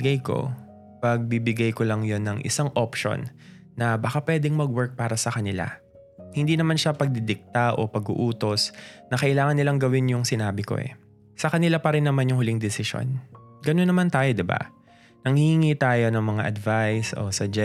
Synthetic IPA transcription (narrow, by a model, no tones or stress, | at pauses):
ɡajko̞̰ | pɐɡ̚bibɪɡajkolɐŋjo̞nːɐŋʔɪ̰saŋʔopʃo̰nː | ɐbakapwɛd̪ɛŋmɐɡwɛɹk̚paːɾɐsɐkɐnɪla̰ | hɪnd̪iːnɐmanʃapɐɡ̚d̪ɪd̪ɪk̚t̪aʔo̞̰pɐɡṵʔuːt̪o̞snɐkɐʔɪlaːŋɐnːɪlaŋɡɐwɪnjʊŋsɪnaːbɪko̞̰ʔɛ̰ | sɐkɐnɪlapɐɾɪnːɐmanjʊŋhʊlɪŋd̪ɪsɪʃo̰n | ɡɐnonːɐmant̪aːjod̪ɪba̰ | nɐŋhihiŋit̪aːjo̞nɐŋmɐŋaʔɐd̪vajsʔo̰sɐd͡ʒɛ